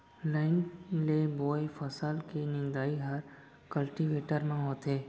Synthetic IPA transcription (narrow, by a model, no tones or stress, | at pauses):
laɪnleboːefəsəlkinɪ̃nd̪aːiɦəɾ | kəlʈiʋeːʈəɾmãɦoːt̪eː